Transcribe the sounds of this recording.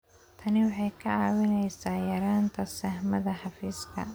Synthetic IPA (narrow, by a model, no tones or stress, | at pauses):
t̪ʰɐnɪwɑħɑjkʰɐʕɑːwɪnɛjsaːjɐɾaːnt̪ʰɐsɐhmɐðɐħɑfiːskʰɐ̰